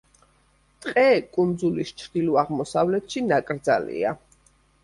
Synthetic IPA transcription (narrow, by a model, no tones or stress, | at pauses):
t̪ʼqʼɛkʼund̪zulist͡ʃʰd̪̥iluaʁmɔsavlɛt̪ʰʃinakʼɾd̪zalḭa̰